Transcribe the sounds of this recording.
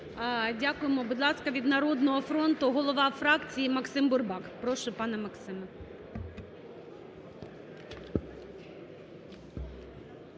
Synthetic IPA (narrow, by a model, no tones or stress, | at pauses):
dʲakʊjemɔbud̪lˠɑskɐʋʲid̪nɐɾɔd̪nɔɦɔfɾɔnt̪ʊɦɔlˠɔʋɑfɾɑkt͡sʲijimɐksɪmbʊrbɑkpɾɔʃʊpɑnɛmɐksɪmɛ